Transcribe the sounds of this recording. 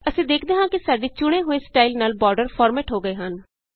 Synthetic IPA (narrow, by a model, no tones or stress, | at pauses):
əsĩːd̪eːkʰd̪eːɦãːkɪsaːɖiːt͡ʃʊɽ̃eːɦoːeːsʈaːilnaːlbɔːɾɖəɾpʰɔːɾmɛːʈɦoːɡəeːɦən